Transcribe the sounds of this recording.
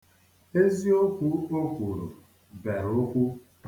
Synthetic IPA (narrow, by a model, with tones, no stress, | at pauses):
e˦zi˦o˦kʷu˦o˦kʷu˨ɾo̰˨ | be˨ɾo˦kʷu˦